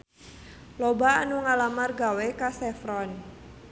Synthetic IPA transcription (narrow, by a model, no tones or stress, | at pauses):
lobaːnuŋalamarɡawekasɛfɾɔn